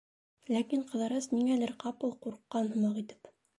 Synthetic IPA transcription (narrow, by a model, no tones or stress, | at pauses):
lækiɴqɤ̆ðɑɾɤzniŋælɘɾqɑpɤlˠquɾqːɑnhɤ̆mɑqit̪ɘ̥p